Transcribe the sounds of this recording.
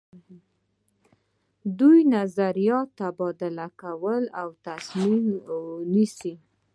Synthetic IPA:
d̪ujnazaɾijɑt̪ːabɑd̪ɪlakawəlawt̪asmimnisi

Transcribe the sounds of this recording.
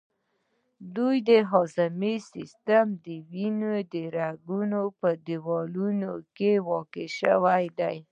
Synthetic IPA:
d̪ujd̪əɦɑzamesist̪amd̪əwinod̪əɾaɡunopəd̪ɪwɔlunokewɑkeʃə̰wajd̪aj

